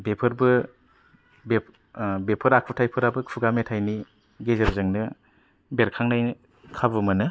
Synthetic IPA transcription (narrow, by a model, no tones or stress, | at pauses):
bepʰɯɾbɯ | be | bepʰɯɾakʰutʰajpʰɯɾabɯkʰuɡametʰajni | ɡezeɾzɯŋnɯ | beɾkʰaŋnaj | kʰabɯmɯnɯ